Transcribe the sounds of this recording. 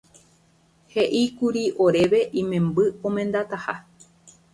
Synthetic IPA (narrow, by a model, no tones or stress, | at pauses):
he̞ʔikuɾiʔoɾe̞ʋe̞ʔĩmẽ̞mbɨõmẽ̞nd̪at̪aha